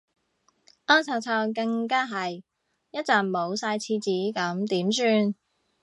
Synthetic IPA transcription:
ʔɔː˥nt͡sʰɐ˨˧wt͡sʰaː˧wkɐ˧ŋkaː˥ɦɐ˨j | jɐ˥t̚t͡saː˨˩nmo˨˧wsaː˧jt͡sʰiː˧t͡siː˨˥kɐ˨˥mt̪iː˨˥msyː˧n

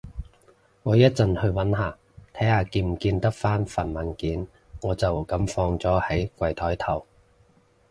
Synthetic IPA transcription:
ŋɔː˨˧jɐ˥t̚t͡sɐ˨˧nhɵ˧ɥwɐ˨˥nɦaː˨˩ | t̪ʰɐ˨˥jhaː˨˧kiː˧m̩˨˩kiː˧nt̪ɐ˥k̚faː˥nfɐ˨nmɐ˨nkiː˨˥n | ŋɔː˨˧t͡sɐ˨˩wkɐ˨˥mfɔː˧ŋt͡sɔː˨˥hɐ˨˥jkʷɐ˨˩jt̪ʰɔː˨˥jt̪ʰɐ˨˩w

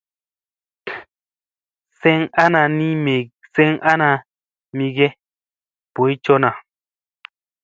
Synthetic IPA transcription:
sɛ˦ŋa˦na˨ni˦˨sɛ˦ŋʔa˦na˧ | mi˧ɡɛ˦ | po˨i˦t͡ʃɔ˦na˨

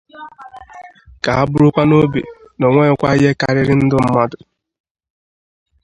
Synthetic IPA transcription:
ka˨ɦa˦bʊ˦ɾʊ˦kʷa˦no˦bḛ˨ | nɔ˨ŋʷe˦ɪ˦kʷa˦je˦ka̰˨ɾɪ˦ɾɪ˦n̩˦dʊ˦m̩˦ma˦dʊ˨

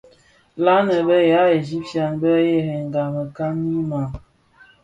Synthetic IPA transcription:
la˦nə˨bə˦ja˨˦e˨d͡ʒi˦p̚tja˨nbə˦je˦ɦe˨ŋ˨ɡa˨mə˨ka˦mːi˦ma˨ŋ

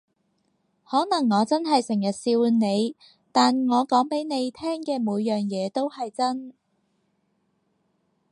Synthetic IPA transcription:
hɔː˨˥nɐ˨˩ŋːɔː˨˧t͡sɐ˥nɦɐ˨jsɪ˨˩ŋjɐ˨t̚siː˧wne˨˧j | t̪aː˨nŋɔː˨˧kɔː˨˥ŋpe˨˥jne˨˧jt̪ʰɛː˥ŋkɛː˧muː˨˧jːœː˨ŋjɛː˨˧t̪o˥whɐ˨jt͡sɐ˥n

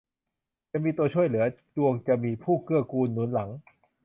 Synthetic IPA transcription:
t͡ɕa˨miː˧t̪u˧ət͡ɕʰu˥˩əjlɯ˩˦ɐt͡ɕu˧əŋt͡ɕa˨˧miː˧pʰuː˥˩kɯ˥˩ɐkuː˧nːuː˩˦nla˩˦ŋ

